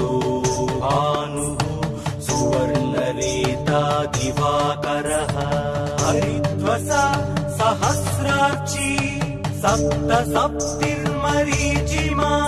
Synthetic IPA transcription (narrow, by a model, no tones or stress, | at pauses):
oːɦaːnuɦu | suʋɐɾlɐɾeːt̪aːɡ̪iʋaːkɐɾɐɦɐɐɾid̪ʋɐsaːsɐɦɐsɾaːt͡ʃi | sɐp̚t̪ɐsɐp̚t̪iɾmɐɾiːd͡ʒimaː